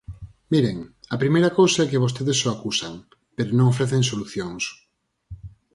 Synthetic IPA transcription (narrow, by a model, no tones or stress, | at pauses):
miɾeŋɐpɾimejɾɐkowsaɛkɪβost̪eðɪsoakusaŋ | peɾonõŋofɾeθeŋsoluθjoŋs